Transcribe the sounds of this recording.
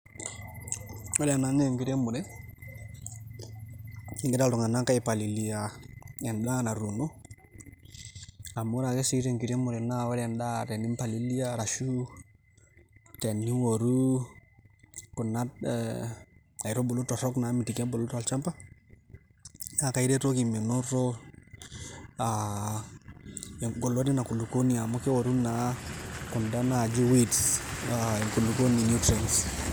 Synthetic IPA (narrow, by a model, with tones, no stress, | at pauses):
wa˦lɛa˨naŋeŋki˨ɾe˦mu˨ɾɛ | ŋɡɛ˦da˦ltu˨ŋa˨na˦ka˦ipa˨li˨li˨aɛnda˦na˨ɾuno˦ | amu˦ɾa˨kɛ˦si˦ɾeŋki˨ɾe˦mu˨ɾɛnawa˦ɾɛnda˦tɛni˦mpa˨lili˦aɾaʃu | tɛ˨nːi˦woɾu | ku˨nːa˦t̚ | a˨jɾo˦bo˨lu˦to˨ɾo˦kna˨˦mi˨ti˨ke˦bo˨lo˦ta˨lt͡ʃa˦mpa˦ | ja˨ka˨i˦ɾe˦to˦ki˨mi˨no˦ɾo˦ | a˨ | ɡo˨lo˦di˦na˨ku˨lu˨ko˦ni˨a˨mo˦ke˦wo˨ɾu˦na˨ku˨nda˦na˨d͡ʒu˦witsa˨ŋku˨lu˨ko˦ni˨nu˦tɾens